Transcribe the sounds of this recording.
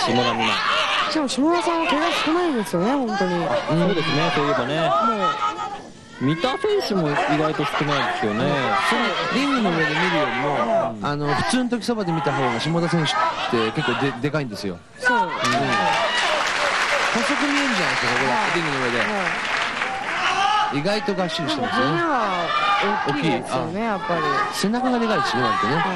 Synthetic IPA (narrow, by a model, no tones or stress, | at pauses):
ɕimoɾamʲina̰d͡ʑamoɕimod̪asãɰ̃βakoɾɡasɨ̥kɯ̟naĩnd̪esɨjone̞hõ̞nt̪o̞ɲ̟iaɯ̃od̪esɨnesoːiɯbane̞moː | mʲit̪aːɸẽ̞ɰ̃ɕimo̞iɡait̪o̞sɨ̥kɯnaĩd̪esejonesonoɾʲĩŋɡɯno̞ɯ̟e̞d̪e̞mʲiɾɯ̟jo̞ːɾʲimo̞ano̞ɸɯ̟̥t͡sɨːnot̪o̞kʲi̥so̞bad̪e̞mʲit̪aɦoːɡaɕimod̪as̬ẽɕɨ̥t̪ːe̞ke̞kːoːd̪ed̪e̞kaĩnd̪e̞sɨjo̞̰ | soɯ̟̃ | ho̞so̞kɯ̟mʲienɯ̟d͡ʑanaiskakokoɾʲĩŋɡɯ̟noɯed̪e̞a | iɡait̪o̞ɡaɕːid̪eitaeaa | ookʲːiːanejapːaɾʲise̞nakaɡad̪e̞kaisinnãt̪ene̞